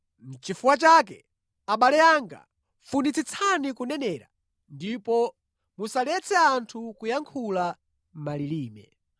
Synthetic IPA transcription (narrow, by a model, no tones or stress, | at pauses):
m̩t͡ʃifuwat͡ʃakɛ | aɓalɛaŋɡa̰ | funit͡sit͡sʰanikunɛnɛːɾa̰ | ndipɔ | musalɛt͡sʰɛantʰukujaŋkʰula | m̩maliliːmɛ̰